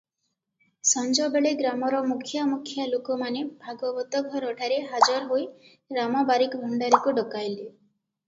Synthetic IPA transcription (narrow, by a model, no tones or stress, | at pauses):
sɔnd͡ʒɔbeɭeɡɾamɔɾɔmukʰjamukʰjalokɔmanebʱaɡɔbɔt̪ɔɡʱɔɾɔʈʰaɾeɦad͡ʒɔɾɦoj | ɾamɔbaɾikɔbʱɔɳɖaɾikuɖɔkajli